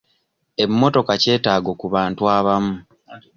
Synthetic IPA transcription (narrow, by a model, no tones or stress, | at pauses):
e̞mːo̞to̞kace̞ːtaːɡo̞kuβaːntuaβamu